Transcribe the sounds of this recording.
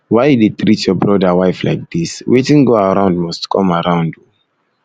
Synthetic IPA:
waɪditɹitjɔbɹɔdəwaɪfla̰ɪk̚d̪iswetĩŋɡoaɹãʊ̃ndmɔstkʰɔ̰̃maɹãʊ̃ndju

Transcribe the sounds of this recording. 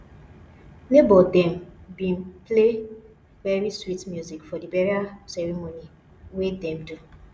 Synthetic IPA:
nebɔldɛm̩bin̩ple | beɾiswitmjuzikfɔdibeɾiasɛɾimoni | wedɛmdu

